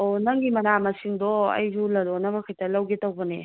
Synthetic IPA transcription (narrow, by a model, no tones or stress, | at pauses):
onɐŋɡimɐnamɐsiŋdɔɐ̰jzulɐlɔnɐβɐkʰɐjtɐlɐwɡetɐwbɐne